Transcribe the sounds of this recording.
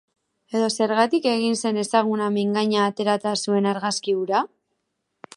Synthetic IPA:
e̞ðo̞se̞ɾɣat̪ike̞ɣ̞inse̞ne̞saɣ̞unameŋɡaɲaːt̪e̞ɾat̪asue̞naɾɣaskiβuɾa

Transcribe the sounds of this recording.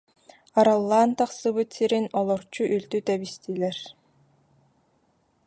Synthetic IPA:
aɾalˠːaːnt̪aχsɯbɯt̪siɾinɔlˠɔɾt͡ɕuʔylt̪yt̪ɛbist̪iːlɛɾ

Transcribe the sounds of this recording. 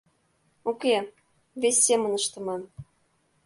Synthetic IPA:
ukʲe | vʲesʲːemə̆nɤʃt̪ɤ̆mɑn

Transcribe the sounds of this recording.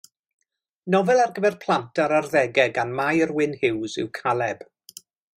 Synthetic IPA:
nɔvɛlˠarɡəvɛrpʰlˠantʰaɾarðɛɡɛɡanmajərwɪnhɪwzɪ̰wkʰalˠɛb̥

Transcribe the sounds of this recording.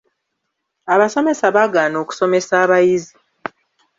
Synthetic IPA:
aβaso̞me̞saβaɡaːno̞ːku̥so̞me̞saːβajizi

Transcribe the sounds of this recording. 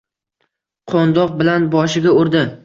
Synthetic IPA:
qʰond̪ɒq̚bɪlanbɒʃɪɡʲaoɾd̪ɪ

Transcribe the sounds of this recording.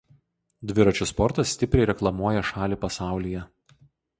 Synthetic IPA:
d̪ʲʋʲɪɾɐt͡ʃʲʊspɔɾt̪ɐsːʲt̪ʲɪpʲɾʲɛɪɾʲɛklˠɐmuɔjɛʃɑːlʲiːpɐsɑˑʊlʲijɛ

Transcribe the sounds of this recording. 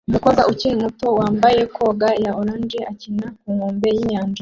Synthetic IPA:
umukoɡaʔucinimuto̞waːmbajekʰo̞ɡajaoɾaːnd͡ʒiʔacinak̚uŋoːmbejiɲaːnd͡ʒa

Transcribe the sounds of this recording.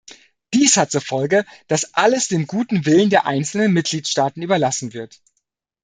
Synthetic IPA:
d̥iːshat̚t͡suɐfɔlɡəd̥asʔaləsd̥eːmɡuːtn̩vɪləndeːɐʔa̰ɪnt͡sl̩nənmɪt̚ɡ̥liːtʃtaːtn̩yːbɐlasn̩vɪɐt

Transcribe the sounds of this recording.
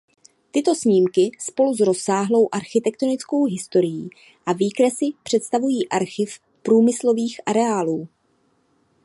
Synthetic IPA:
t̪ɪt̪o̞sɲiːmkɪspo̞luzɾo̞saːɦlo̞wʔaɾxɪt̪ɛk̚t̪o̞nɪt͡sko̞wɦɪst̪o̞ɾɪjiː | ʔaviːkɾɛsɪpr̝̥ɛt̪st̪avujiːʔaɾxɪf | pɾuːmɪslo̞viːxʔaɾɛaːluː

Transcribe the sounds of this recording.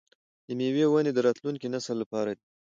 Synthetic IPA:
d̪əmewewaned̪əɾɑt̪luŋkinasəlːapɑɾad̪i

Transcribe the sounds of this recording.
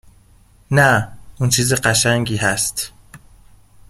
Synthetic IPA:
næuːnt͡ʃʰiːziɢæʃæŋɟiːɦæst̪

